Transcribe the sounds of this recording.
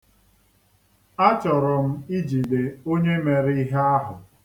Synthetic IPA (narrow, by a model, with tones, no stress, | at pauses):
a˦t͡ʃɔ˨ɾʊ˨m̩˦i˦d͡ʒi˨de˨o˦ɲe˦me˨ɾɪ˦i˦ɦe˦a˦ɦʊ˨